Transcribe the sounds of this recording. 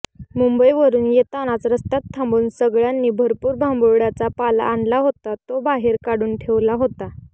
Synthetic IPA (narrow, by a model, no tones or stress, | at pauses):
mumbəiʋəɾuːnjet̪añat͡sɾəst̪at̪ʰːəmbuːnsəɡɭjanːiːbʱəɾpuːɾbʱãmboɾɽat͡sapala̰ːɳlaɦot̪at̪obaɦeɾkaɽuːnʈʰeʋlaɦot̪a